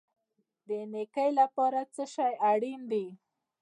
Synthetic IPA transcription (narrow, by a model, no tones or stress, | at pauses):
d̪ənekəjlapɑɾat͡səʃɑjaɽind̪i